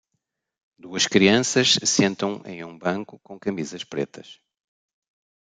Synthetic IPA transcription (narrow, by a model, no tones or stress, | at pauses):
d̪uɐʃkɾiɐ̃sɐʃsẽnt̪ɐ̃w̃ḛ̃j̃ũbɐ̃ŋkukõkɐmizɐʃpɾḛt̪ʰɐʃ